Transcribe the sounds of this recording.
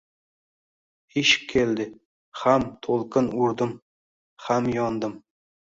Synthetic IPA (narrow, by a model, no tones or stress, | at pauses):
eʃp̚kʲʰeld̪ɪ | hamt̪ʰolˠqʰɨnʊɾd̪ɪm | hamjɒnd̪ɪm